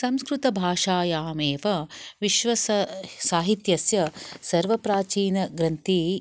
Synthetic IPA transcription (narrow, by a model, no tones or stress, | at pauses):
sɐmskɾut̪ɐbʱaːʂaːjaːmeːʋɐʋiʃʋɐssaːɦit̪jɐsjɐsɐɾʋɐpɾaːt͡ʃiːnɐɡɾɐnt̪i